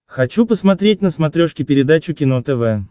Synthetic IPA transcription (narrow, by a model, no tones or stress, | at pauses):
xɐt͡ɕupəsmɐt̪ɾʲet̚ʲnəsmɐt̪ɾʲoʂkʲɪpʲɪɾʲɪd̪at͡ɕʊkʲɪnot̪ɛvɛ